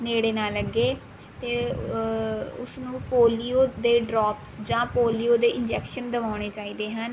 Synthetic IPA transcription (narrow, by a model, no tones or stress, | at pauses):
neːɽeːnaːləɡːeː | t̪eː | ʊsnũːpoːliːoːd̪eːɖɾɔːpsd͡ʒãːpoːliːoːd̪eːʔɪnd͡ʒɛːkʃənd̪əʋaːɳ̃eːt͡ʃaːiːd̪eːɦən